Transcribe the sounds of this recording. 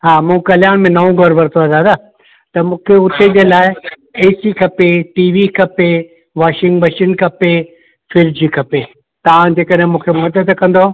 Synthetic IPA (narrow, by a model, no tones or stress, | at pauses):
ɦaːmũːkɐlɪjaːɽ̃mẽnɐʋõɡɐɾʋɐɾt̪ʰoɐd̪aːd̪aː | t̪ɐmũːkʰeʊt̪ʰed͡ʑeːlaːɪ | eːsikʰɐpeʈiːʋikʰɐpe | ʋaːʃɪ̃ŋɡbɐʃɪnkʰɐpe | fɪɾd͡ʑiːkʰɐpe | t̪ɐʋãd͡ʑeːkəɗɦɪ̃mũːkʰemɐd̪əd̪kɐ̃n̆d̪o